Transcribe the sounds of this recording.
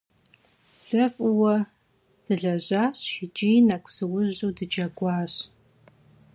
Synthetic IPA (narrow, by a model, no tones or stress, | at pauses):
ɬɐfʼɨwɐ | d̥ɨɮɐʑaːɕʃɪd͡ʒijnakʷʰz̥ɨwʊʑuwdɨd͡ʒɐɡʷɑːɕ